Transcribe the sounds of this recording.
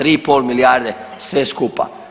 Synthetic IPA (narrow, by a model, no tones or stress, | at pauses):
ɾiːpolmiljaɾd̪e | sʋeskupa̰